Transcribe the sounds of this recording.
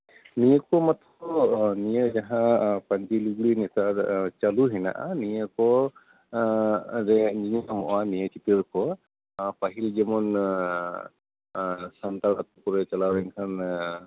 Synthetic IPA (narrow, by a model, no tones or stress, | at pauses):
nijəkɔmat̪ʰɔnijəd͡ʒaɦãpand͡ʒiluɡlinɛtat͡ʃaluɦɛna̰ʔa̰nijakɔ | zɛniɲamɔʔanijatitəɹkʰɔ | paɦild͡ʒɛmɔn | sant̪aɾa̰t̪̚ɔkɔɹɛt͡ʃalawɾɛŋkʰan